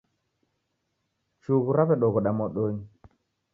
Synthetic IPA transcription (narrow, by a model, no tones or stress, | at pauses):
t͡ʃuɣuɾaβɛɗɔɣɔɗamɔɗoɲ